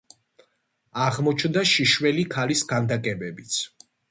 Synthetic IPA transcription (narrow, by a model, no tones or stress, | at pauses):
aʁmɔt͡ʃʰnd̪aʃiʃwɛlikʰalisɡand̪akʼɛbɛbit̪sʰ